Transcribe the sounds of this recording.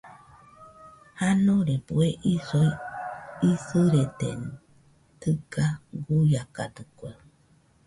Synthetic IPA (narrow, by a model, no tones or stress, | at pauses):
hanoɾebueʔisoj | isɨɾet̪ḛn | t̪ɨɡaɡujaka̰d̪ɨkʷe